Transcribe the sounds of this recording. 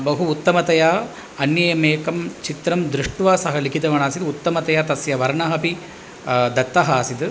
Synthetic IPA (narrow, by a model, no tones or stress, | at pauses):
bɐɦuːt̪ːɐmɐt̪ɐjaː | ɐnjɐjɐmeːkɐmt͡ʃit̪ɾɐmd̪ɾuʂʈʋaːsɐɦɐlikʰit̪ɐʋɐɳaːsid̪ut̪ːɐmɐt̪ɐjaːt̪ɐsjɐʋɐɾɳɐɦɐpi | d̪ɐt̪ːɐɦaːsid̪